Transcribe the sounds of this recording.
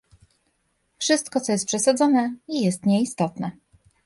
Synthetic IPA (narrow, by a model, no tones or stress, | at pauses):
fʂɘst̪kɔt̪sɔjɛst̪pʂɛsad̪zɔnɛijɛst̪ɲɛist̪ɔt̪nɛ